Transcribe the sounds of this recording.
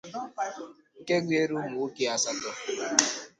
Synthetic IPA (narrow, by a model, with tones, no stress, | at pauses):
ŋ̩˦˨ke˦ɡʷe˦ɾu˦mu˨˦ki˦a˦sa˦tɔ˦